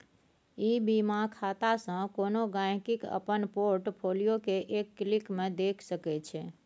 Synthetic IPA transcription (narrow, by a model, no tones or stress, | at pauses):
ibimãkʰat̪asə̃konoɡãj̃kikə̰pənpoɾʈpʰolijokeʔekːlikmẽd̪ekʰsəkɛt͡ʃʰe